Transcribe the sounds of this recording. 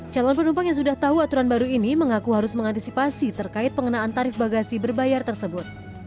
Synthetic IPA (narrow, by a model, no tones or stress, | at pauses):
d͡ʒalɔnpənumpaŋjaŋsudaht̪aɦuat̪uɾanbaɾuiniməŋakuɦaɾʊsməŋant̪isipasit̪ərkaɪt̪̚pəŋənaːnt̪aɾɪfbaɡasibərbajart̪ərsəbʊt̪̚